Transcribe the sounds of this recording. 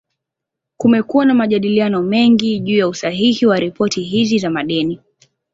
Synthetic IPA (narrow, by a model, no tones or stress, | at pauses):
kumɛkuwanamaʄaɗilianɔmɛŋɡiʄuːjausaɦihiwaɾipɔtiɦizizamaɗɛni